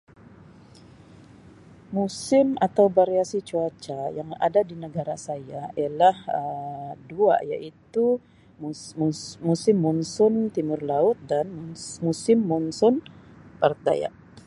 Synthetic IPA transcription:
musɪmat̪awbaɾeasit͡ʃuat͡ʃajaŋa̰dadinəɡaɾasajaialahədua̰ja̰ʔit̪u | musɪmːunsʊnt̪imʊrlaʊt̪̚danmusɪmːunsʊn | part̪̚da̰ja̰ʔ

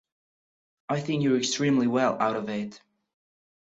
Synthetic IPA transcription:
aɪθɪ̃ŋkjə˞ɨkstɹ̥ĩːmliwɛlˠa̰ʊɾʌvɪt

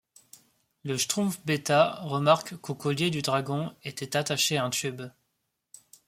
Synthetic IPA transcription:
ləʃt̪χũfbet̪aʁəmaʁkːokɔljed̪yd̪ʁaɡɔ̃et̪ɛt̪at̪aʃeaɛ̃t̪yb

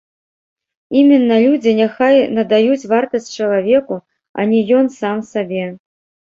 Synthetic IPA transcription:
imʲinːɐlʲud͡zʲinʲaxajnɐd̪ajut͡sʲvart̪ɐsʲt͡sʲt͡ʂɐlˠavʲɛku | ɐ̰nʲɛjɔnsamsabʲɛ

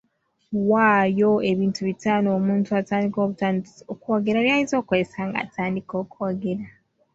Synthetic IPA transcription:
waːjo̞e̞βiːntuβitaːnoːmuːntuataːndiko̞ːβutaːnokuwaɡe̞ɾaɾjajizo̞ːkoɾesaŋɡa̰ːtʰaːndiko̞ːkuwaɡe̞ɾa

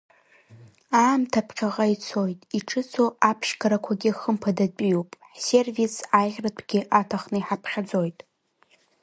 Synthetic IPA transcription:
aːmtʰapʰqʲaʁʼait͡sʰo̞jtʼiʈ͡ʂʰɨt͡sʰo̞apʰʂɡaɾakʷʰaɡʲɪχəmpʰadat͡pʼijopʼ | se̞rvisajʁʲrapʰʼɡʲɪʔatʰaχnɨiħapʰχʲad͡zo̞jtʼ

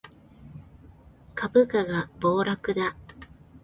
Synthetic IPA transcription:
kabɯ̟kaɡabo̞ːɾakɯ̟d̪a

